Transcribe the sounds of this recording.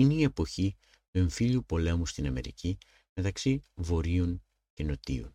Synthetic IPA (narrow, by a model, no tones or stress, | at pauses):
ineie̞po̞çi | t̪ueɱfiʎupo̞le̞must̪inɐme̞̰ɾḭci | me̞t̪ɐksivo̞ɾiuŋ | ce̞no̞t̪ḭṵn